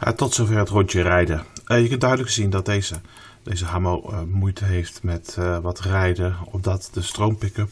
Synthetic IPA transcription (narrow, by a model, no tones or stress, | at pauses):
a̰tɔtsowvɛrətrɔɲtərɛjdəjəkɵntdœɥdələkzindɑt̚jzə | d̥ejzəɦamowmujtəɦejftmɛtʋɑtrɛjdəɔ̰pdɑtdəstrowmpɪkəp